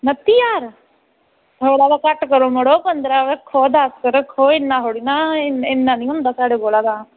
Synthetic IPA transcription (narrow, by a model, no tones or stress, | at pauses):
nət̪iːjaːɾ | t̪ʰoːɽaːd̪aːkəʈkəɾõːməɽoːpənd̪ɾaːʋəkʰːoːd̪askəɾəkʰːoːɪnːãːɦoːɽiːnaːɪnːãːnĩːɦʊ̃nd̪aːsaːɽeːboːlaːd̪aː